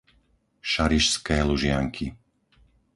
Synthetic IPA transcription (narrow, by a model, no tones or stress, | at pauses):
ʃaɾiʃskɛːluʒɪaŋkʰi